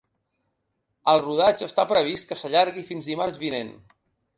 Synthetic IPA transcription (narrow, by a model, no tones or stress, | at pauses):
əlˠruð̞ad͡ʒəst̪apɾəβ̞ist̪kəsəʎaɾɣifinzðimaɾzβinen